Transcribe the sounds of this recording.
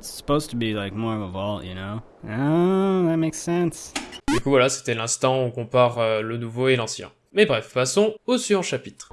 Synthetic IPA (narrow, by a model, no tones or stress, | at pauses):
tsə̥poʊz̥tʰəbilaɪk̚mɔɹʌvəvɔlˠʔjɨ̰noʊ | oðɨt̚meɪksɛ̃nsd̪ykuvwalase̥t̪ɛlɛ̃st̪ɑ̃ɔ̃kɔ̃paʁølənuvoelɑ̃sjɛ̰̃ | mɛbʁɛfpasɔ̃osyvɑ̃ʃapit̪χ